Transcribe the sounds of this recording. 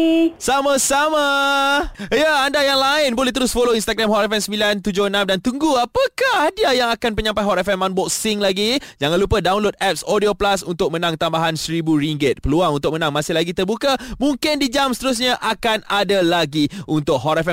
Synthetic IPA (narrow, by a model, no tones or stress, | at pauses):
samasama | jəandajaŋlaɪnbolɛht̪əɾʊsfoloinst̪aɡɾamhɔtɛfɛnsəmbilant̪ud͡ʒohənãmdant̪uŋɡuapəkahdiajaŋakanpəɲãmpajɦɔtɛfɛmːanbɔk̚sɪŋlaɡid͡ʒaŋãnlupədaunlot̪̚ɛp̚sodioplasunt̪ʊk̚mənãŋt̪ambaɦansɾibuɾiŋɡət̪̚pəluaŋunt̪ʊk̚mənãŋmãsɪhlaɡit̪ərbukamũŋkɪndid͡ʒamsət̪əɾus̬ɲãʔakanadalaɡiunt̪ʊk̚ɦɔtɛfɛ